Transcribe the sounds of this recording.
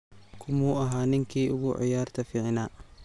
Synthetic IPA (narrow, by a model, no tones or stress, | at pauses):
kʰʊmuːɐɦaːnɪŋkʰiːʔʊɣʊʕɪ̰jaːrt̪ʰɐfɪʕɪnaː